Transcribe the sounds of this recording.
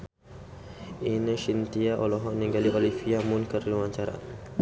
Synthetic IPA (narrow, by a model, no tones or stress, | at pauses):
inəʃint̪iaʔɔlɔɦɔʔniɡaliʔɔlifiamunkərlumaɲt͡ʃaɾa̰n